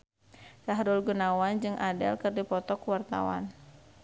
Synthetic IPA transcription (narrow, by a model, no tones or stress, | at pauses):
saɦɾʊlɡunawand͡ʒɨŋʔadɛ̰lkɨrdipɔt̪ɔkuwart̪a̰wa̰n